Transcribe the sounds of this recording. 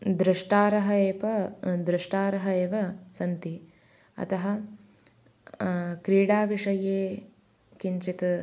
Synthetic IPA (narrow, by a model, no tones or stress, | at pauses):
d̪ɾiʂʈaːɾɐɦɐeːpɐd̪ɾiʂʈaːɾɐɦɐeːʋɐsɐnt̪i | ɐ̰t̪ɐɦɐ | kɾiːɽaːʋiʂɐjeː | kiɲt͡ʃit̪ɐ